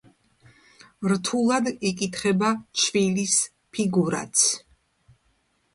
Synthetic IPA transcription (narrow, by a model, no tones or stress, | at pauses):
ɾt̪ʰulˠad̪ikʼit̪ʰχɛbat͡ʃʰvilis | pʰiɡuɾa̰t̪sʰ